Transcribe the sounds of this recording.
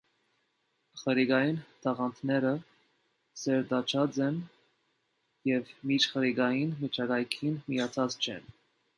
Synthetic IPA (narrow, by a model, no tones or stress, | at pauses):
χəɾiɡɑjint̪ʰɑʁɑnt̪ʰnɛɾə | sɛɾd̪ɑt͡ʃʰɑt͡sɛn | jɛvmit͡ʃʰχəɾiɡɑjinmət͡ʃʰɑɡɑjkʰinmijɑt͡sʰɑt͡st͡ʃʰɛ̰n